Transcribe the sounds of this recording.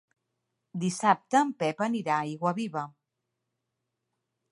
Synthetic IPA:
d̪isap̚t̪əːmpɛpəniɾaiɣwəβiβə

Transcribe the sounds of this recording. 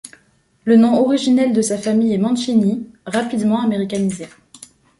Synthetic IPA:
lənɔ̃ɔʁiʒinɛld̪əsafamijɛmɑ̃ʃiniʁapid̪mɑ̃ameʁikʲanize

